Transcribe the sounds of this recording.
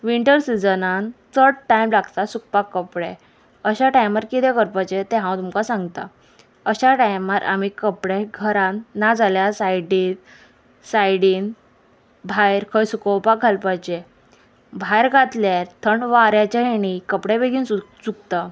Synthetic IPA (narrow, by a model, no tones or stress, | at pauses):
ʋiɳʈəɾsid͡zənant͡səɽʈajmlaɡt̪asuk̚pakːəpɽe | əɕaʈajmaɾkit̪ʰɛ̃kəɾpajt͡ɕet̪ɛɦãwt̪umkasãŋɡt̪a̰ | əɕaʈajmaɾʔa̰m̤ikəpɽeɡʱəɾãnːad͡zʱaljasajɽit̪ | sajɽiːn | bʱajɾkʰəjsukəwpak̚ɡʱalpajt͡ɕe | bʱajɾɡat̪ljaɾt̪ʰəɳʋaɾjat͡ɕaɦeɽ̃ikəpɽebeɡiːnut͡suk̚t̪a